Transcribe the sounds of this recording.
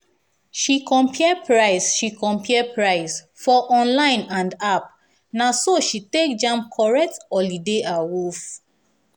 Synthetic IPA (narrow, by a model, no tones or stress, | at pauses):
ʃikɔ̃mpʰiɛpɹaɪsʃikɔ̃mpʰiɛpɹaɪs | fɔʔɔ̃nlãɪ̃nãndap | nasoʃitekd͡ʒãmp̚kʰɔɹɛk̚tɔlideʔawuf